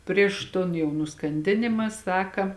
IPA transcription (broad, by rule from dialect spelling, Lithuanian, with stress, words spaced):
ˈpʲrʲiɛʃ toːn ˈjɛʊ nʊskɐnʲˈdʲɪnʲɪmɐ ˈsɑːkɐ